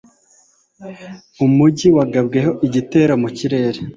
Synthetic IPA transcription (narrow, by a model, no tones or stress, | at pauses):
umuɟiwaɡabɡe̞ho̞ʔiɟite̞ːɾomuciɾe̞ːɾe